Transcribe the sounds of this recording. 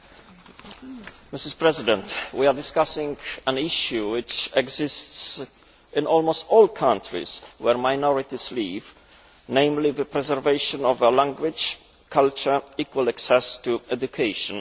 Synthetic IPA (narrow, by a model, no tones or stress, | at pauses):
mɪsɪspɹɛzɪd̪ɛ̃nt̪wiadɪskasɪ̃ŋɡæ̃niʃjuwɪt͡ʃɛɡzɪsts | ʔɪ̃nʔɔlmost̪ɔlkʰãntʰɹḭswɛɹmajnɔɹit̪iz̥liv | nẽj̃mliðɨpɾɛzɛɹveɪʃɔ̃nɔvəlãŋɡwɪd͡ʒ | kʰalt͡ʃə˞ikwalaksɛst̪uɛdukʰeɪʃɔ̃n